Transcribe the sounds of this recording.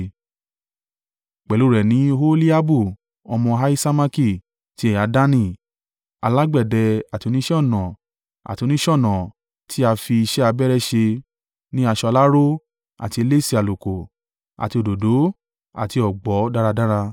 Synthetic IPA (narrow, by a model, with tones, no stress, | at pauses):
k͡pɛ˨lu˨˦˨ɾɛ˨nĩ˨˦ɦo˦li˦a˦bu˦˨ | ɔ˧mɔ̃˧ɦa˦i˦sa˦ma˦˧ki˦˨ | ti˦ɛ˦˨ja˨˧˦da˦nĩ˦˨ | a̰˧la˦ɡ͡bɛ˦˨dɛ˧a˨ti˨˧o˧nĩ˦ʃɛ˦ɔ˦˨nɔ̃˨ | a̰˨ti˨˧nĩ˦ʃɔ˦˨nɔ̃˨ | tʰi˦a˧fi˧i˧ʃɛ˦a˧bɛ˦ɾɛ˦ʃe˧ | nĩ˦a˧ʃɔ˧la˦ɾo˦ | a̰˨ti˧e˧le˦si˦a˨lo˨ko˨ | a̰˨ti˧o˨do˨do˨˦ | a̰˨ti˧ɔ˨ɡ͡bɔ˨˦da˦ɾa˧dã˦ɾa˧